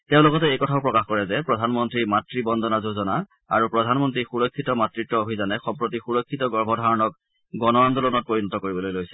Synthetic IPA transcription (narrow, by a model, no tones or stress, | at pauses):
tɛʊ̃lɔɡɔtɛejkɔtʰaʊpɹɔkaxkɔɹɛzɛpɹɔdʱanmɔntɹiɹmatɹibɔnd̪ɔnazozɔna | a̰ɹupɹɔdʱanmɔntɹixuɹɔkʰːitɔmatɹitːɔɦizanɛxɔmpɹotixuɹɔkʰːitɔɡɔɹbʱɔdʱaɹɔnɔk | ɡɔnɔɹandulɔnɔt̚poɹinɔtɔkoɹibɔlojlojsɛ̥